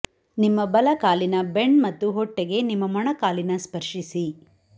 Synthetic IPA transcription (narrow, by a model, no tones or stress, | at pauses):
nimːɐbɐlɐkaːlinɐbe̞ɳmɐt̪ːuɦɔʈːeɡe̞nimːɐmɔɳɐkaːlinɐspɐɾʂisi